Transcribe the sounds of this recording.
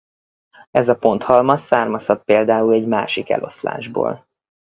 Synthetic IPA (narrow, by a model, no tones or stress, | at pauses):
ɛzɒpo̞nt̪hɒlmɒsaːrmɒsɒt̪̚peːld̪aːulɛɟmaːʃikɛ̰lʔo̞̰sla̰ːʒbo̰ːl